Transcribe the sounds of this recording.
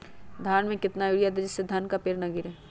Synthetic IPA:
d̪ʱaːnmẽkɪt̪najuɽijad̪ed͡ʒɪsːed̪ʱɐnkapeːɾnɐɡiːɾɦɛː

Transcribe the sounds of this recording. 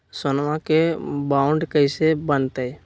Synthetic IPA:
sʊnʋãkebãːʊɳɖkəɪsebənt̪e

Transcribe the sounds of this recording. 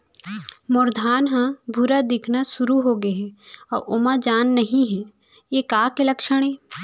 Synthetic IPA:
mʊɾd̪ʱaːnɦãbʱʊɾad̪ɪkʰnasʊɾuɦoːɡɐɦɛɔːɾʔʊmad͡ʒaːnːɐɦĩɦɛ̃ | jekaːkelɐkʃəɽ̃ɦɛː

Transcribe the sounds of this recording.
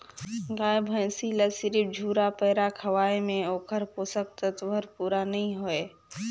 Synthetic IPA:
ɡaːbʱə̃j̃siləsɪɾib̚d͡ʒʱuːɾapəɦɾakʰəʋaːemẽoːkʰəɾpoːsək̚t̪ət̪ʋəɾpuːɾanɐĩɦoeː

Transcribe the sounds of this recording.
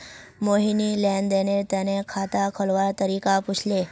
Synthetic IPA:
moɦinilɛnd̪enet̪enekʰat̪akʰəlʋat̪əɾikaput͡ʃʰle

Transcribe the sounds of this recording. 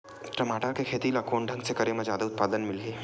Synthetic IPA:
ʈɾɐmaːʈəɾkekʰeːt̪ilakoːɳɖʱə̃ŋɡsekɐɾemazjaːd̪aʊt̪̚paːd̪ənmɪlɡeː

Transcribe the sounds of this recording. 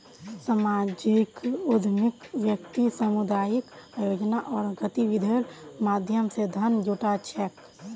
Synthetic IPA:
səmaːd͡ʒɪkʊd̪ʱmɪkʋjək̚t̪isəmud̪aːjɪkajoːd͡ʒnaʔɔːɾɡət̪iʋɪd̪ʱeɾmaːd̪ʱjəmsed̪ʱɐnd͡ʒuʈat͡ʃʰɛːk

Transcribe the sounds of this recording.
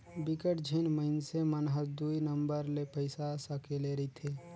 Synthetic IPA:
bɪkəʈd͡ʒʱinməɪnsemənɦəɾd̪uinəmbəɾlepəɪsasəkeleɾit̪ʰe

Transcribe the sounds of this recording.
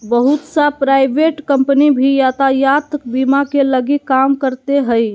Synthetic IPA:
bəɦut̪sapɾajbʱeʈkəmpnibʱijat̪ajat̪kbimakeləɡikamkəɾt̪eɦəj

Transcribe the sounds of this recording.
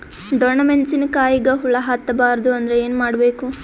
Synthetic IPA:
ɖoːnɐmeɳʈsinɐkaːjiɡɐɦuɭɐɦɐt̪ːɐbaːɾɐd̪uɐnd̪ɐɾeeːnumaːɽbe̞ːku

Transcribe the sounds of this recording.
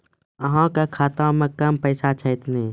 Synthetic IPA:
əɦãkakʰaːt̪ãməkːampəɪsat͡ʃʰəɪt̪neː

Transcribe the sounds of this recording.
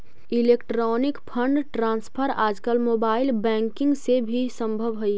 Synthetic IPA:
ilekʈɾɔnɪkpʰəɳɖʈɾãːnspʰəɾa̰ːd͡ʒkəlmoːbaːɪilbɛ̃ːŋkɪ̃ŋɡsebʱisə̃mbʱəbɦoi

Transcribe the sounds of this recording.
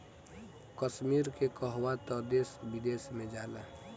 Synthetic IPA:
kəʃmiɾkekəɦwat̪ɔd̪esbid̪esmẽd͡ʒaːla

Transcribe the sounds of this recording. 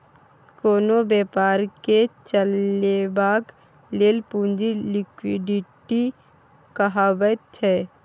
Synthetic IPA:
koːnobɛːpaːɾket͡ʃəlebaːk | leːlpũnd͡ʒilɪkwiɖɪʈi | kaɦaːbət̪̚t͡ʃʰɛː

